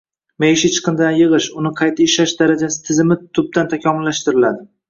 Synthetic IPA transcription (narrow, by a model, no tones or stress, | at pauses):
mejɪʃɪt͡ʃʰɨ̥qʰɨnd̪anjɨʁɨʃʊnɪqʰɑjt̪ʰaɪʃaʃd̪aɾad͡ʒasɪ̥t̪ʰɪzɪmɪt̪ʰʊb̚d̪ant̪ʰakʲʰɒmʊlːaʃt̪ɪɾɪlad̪ɪ